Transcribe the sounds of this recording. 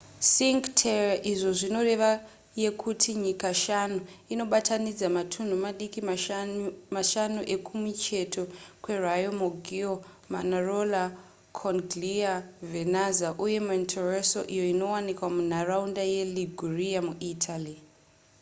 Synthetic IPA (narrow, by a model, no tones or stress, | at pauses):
siŋɡtʰerʔiʐo̞ʐino̞re̞ʋa | je̞kʰutʰiɲikaʃanuino̞ɓatʰanid͡zamatʰun̤umaɗiki | maʃanuʔe̞kʰumit͡ʃe̞tʰo̞kwe̞rajomoɡʱio | ma̰narola | kʰoŋɡliavenazaʔuje̞muintʰoreso̞̰ʔijo̞ino̞wanikwamun̤araundaje̞liɡʱuriamuʔitʰali